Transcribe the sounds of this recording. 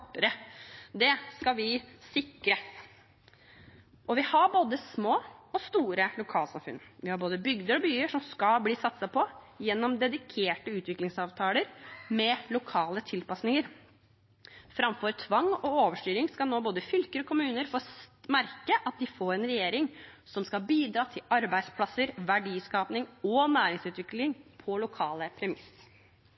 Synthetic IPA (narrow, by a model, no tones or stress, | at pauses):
pːəɾəd̪ɛskɑʋɪsɪkɾə | ʔɔʋɪhɑboːd̪əsmoːɔst̪uːɾəlʊkʰɑːlsɑ̰mfʉ̰nʋɪhɑɾboːd̪əbʏɡd̪əɾɔbyːəʂɔmskɑlbliːsɑt̪sɑpʰɔ | jɛnːɔmd̪ɛd̪ɪkʰeːʈəʉːt̪ʰʋɪklɪŋsɑːʋt̪ʰɑːləɾmɛlʊkʰɑːlət̪ʰɪlpɑsnɪŋəɾ | fɾɑmfɔɾt̪ʰʋɑŋːɔoːʋəʂʈyːɾɪŋskɑnoːboːd̪əfʏlkəɾɔkʰʊmʉːnəɾfoːmæɾkəʔɑt̪̚d̪ɪfoːɾɛnɾɛjeːɾɪŋsɔmskɑbiːd̪ɾɑːt̪ʰɪlɑɾbæɪspʰlɑsəɾʋæɖiːskɑːpnɪŋɔnæːɾɪŋsʉːt̪ʋɪklɪŋpʰɔlʊkʰɑːləpʰɾɛmɪs